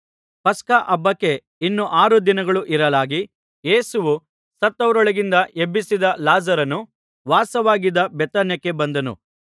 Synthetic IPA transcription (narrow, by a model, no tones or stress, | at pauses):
pɐskaʔɐbːɐkːe̞ | inːuʔaːɾud̪inɐɡɐɭuʔiɾɐlaːɡi | je̞ːsuʋu | sɐt̪ːɐʋɐɾɔɭɐɡind̪ɐʔebːisid̪ɐlaːzɐɾɐnu | ʋaːsɐʋaːɡid̪ɐbɛt̪ɐnjɐkːe̞bɐnd̪ɐnṵ